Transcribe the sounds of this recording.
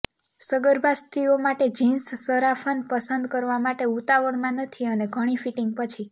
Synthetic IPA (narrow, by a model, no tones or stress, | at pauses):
səɡəɾbʱast̪ɾiomaʈed͡ʒinssəɾafʰənpəsənd̪kəɾʋamaʈeut̪aʋəɳmãnət̪ʰiəneɡʱəɽ̃ifiʈiŋɡ̚pət͡ʃʰi